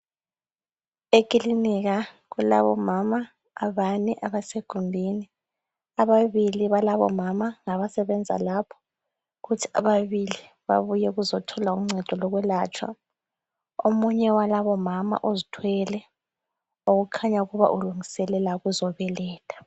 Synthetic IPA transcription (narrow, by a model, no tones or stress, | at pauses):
ekʼiliniɣa | ɣula̰βɔ̰mamaː | βanɛʔaβaseɡ̥ʱumbʱini | aβaβiliβalaβɔ̰mamaŋaβasɛβɛnd͡zʱa̰lapʰɔ̥ | ɣutʰi̥a̰βaβili | βa̰βujɛɣuzɔtʰɔlaumŋ͡ǀɛd̥ʱɔlɔɣwɛlat͡ʃʰʼwa̰ | omuɲɛwalaβɔmama̰ʔozitʰwɛlɛ | oɣukʰaɲauɣuβa̰ʔuluŋisɛlɛlaɣuzɔβɛlɛːtʰʼḁ